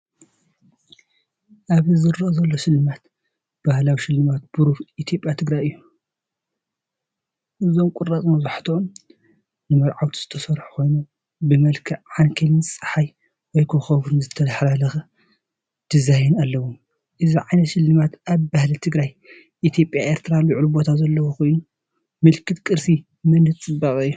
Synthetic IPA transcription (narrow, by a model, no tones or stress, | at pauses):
ʔaβɨzɨɾːʔzɐlːo̞ʃɪlːɨmat̪ | b̥ahlawiʃɪlːɨmat̪̚b̥uɾufʔit̪ʰjo̞pʼjat̪ʰɨɡɾajɨjːu | ʔɨzo̞mkʼʊɾat͡sʼmɐzaħt̪ʰɨom | nɨmɐɾʕawt̪ʰi̥z̥ɨt̪ʰɐsɐɾħu̥ko̞jnu | bɨmɐlkʰɨʕankʰɐnɨnsʼɨ̥ħaj | wɔjkʰoxɐβɾunzɨt̪ʰːɐlɐħɾalɐxɐ | d̪̥ɨzajɛnalːɐwum | ʔɨziʕajnɐt̪ʃɪlːɨmat̪ʔaβbahlit̪ʰɨɡɾaj | ʔit̪ʰjo̞pʼjaʔe̞ɾt̪ʰɨɾalɨʕlubot̪ʰazɐlːɐwoko̞jnu | mɨlkʰɨt̪kʼɨɾsi | mɐnɨt͡sʼɨbːaχʼɨjːu